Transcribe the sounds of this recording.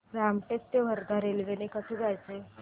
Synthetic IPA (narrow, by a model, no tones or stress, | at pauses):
ɾamʈekt̪ːeʋ̤əɾd̪ʱaɾelʋenekəsid͡zajt͡se